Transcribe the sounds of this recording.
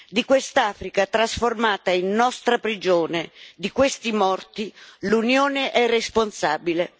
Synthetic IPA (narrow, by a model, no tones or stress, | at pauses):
d̪ikwest̪aːfɾikat̪ɾasformaːt̪ainːɔst̪ɾapɾid͡ʒoːned̪ikwest̪imɔrt̪ilunjoːneʔɛresponsaːbile